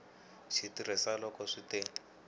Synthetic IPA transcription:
ʃitiɾisalɔkɔʂiteŋ

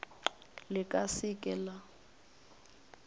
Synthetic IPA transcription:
lɪkʼasɪkʼɛla

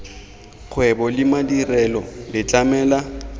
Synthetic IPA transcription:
k͡xʰwɛbɔlɪmadirɛlɔlɪt͡ɬʼamɛːla

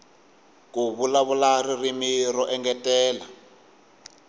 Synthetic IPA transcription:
kuβulaβularirimiɾɔʔɛŋɡɛtɛːla

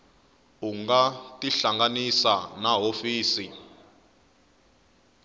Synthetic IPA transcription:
uŋɡatʼiɬaŋɡanisanaɦofiːsi

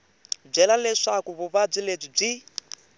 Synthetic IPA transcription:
b͡ʐɛlalɛʂakuβuβab͡ʐiled͡zib͡ʐi

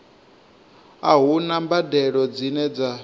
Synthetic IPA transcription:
aɦunambadɛɺɔd͡zinɛd͡za

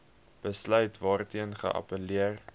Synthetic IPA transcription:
b̥əslœɥtvɑːrtiənχə̰ʔɐ̰pəliər

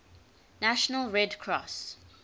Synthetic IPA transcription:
naʃənəlɹɛdkʰɹɔs

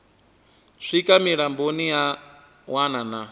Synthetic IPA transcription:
ʂikʼamiɺambonija | wanana

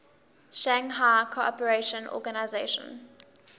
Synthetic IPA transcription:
ʃãŋɦaɪkʰoɔpəɹeʃə̃nʔɔ̰ɡanaɪzeʃə̰̃n

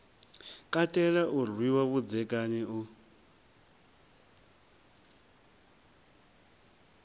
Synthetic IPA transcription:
kʼatʼɛlaʔurwiwaβud͡zɛkʼanɛu

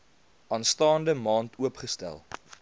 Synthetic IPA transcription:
ʔɑːnstɑːndəmɑːntuəpχəstæ̰lˠ

